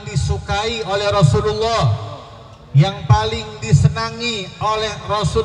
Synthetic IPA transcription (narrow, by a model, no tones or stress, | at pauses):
disukaiolɛhrɔsululːɔh | jaŋpalɪŋdisənaŋiolɛhrɔsu